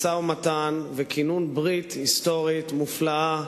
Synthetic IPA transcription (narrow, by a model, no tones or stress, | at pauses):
sawmat̪anvekinunbʁithist̪o̞ʁit̪muflaa